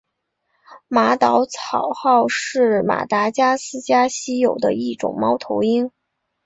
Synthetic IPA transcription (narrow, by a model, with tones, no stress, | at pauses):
ma˧˥t̪ɑ˧˥ʊt͡sʰɑ˨˩ʊxɑ˥˧ʊʂɻ̩˥˩ma̰˨˩t̪a˧˥t͡ɕja˥sɹ̩˥t͡ɕja˥ɕi˥jo˨˩ʊd̪ə̰˦i˥˩ʈ͡ʂʊ̰˨˩ŋmɑ˥ʊt̪ʰo˧˥ʊi˥ŋ